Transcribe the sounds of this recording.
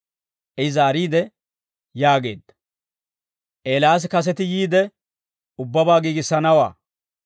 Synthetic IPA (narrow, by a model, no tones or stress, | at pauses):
ʔɛzaːɾiːd̪ɛ | jaːɡe̞ːd̪ːɐ̥ | ʔeːlaːs̬kɐs̬ɛt̪ɪjiːd̪ɛ | ʊbːɐbaːɡiːɡɪsːɐnɐwa̰ː